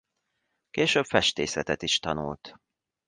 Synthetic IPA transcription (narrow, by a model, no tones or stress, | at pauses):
keːʃøːbfɛʃt̪eːsɛt̪ɛt̪iʃt̪ɒnṵlt̪